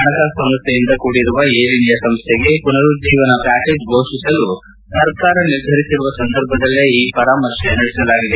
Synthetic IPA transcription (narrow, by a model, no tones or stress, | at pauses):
ɐɳɐkɐsɐmɐst̪ʰejind̪ɐkuːɽiɾuʋɐeːɾiɳd̪jɐsɐmst̪ʰeɡe̞punɐɾud͡ʒiːʋɐnɐpaːkeːd͡ʒbʱoːʃisɐlu | sɐɾkaːɾɐniɾd̪ʱɐɾisiɾuʋɐsɐnd̪ʱɐɾbʱɐd̪ɐlːiiːpɐɾaːmɐʃenɐɽɛsɐlaːɡid̪e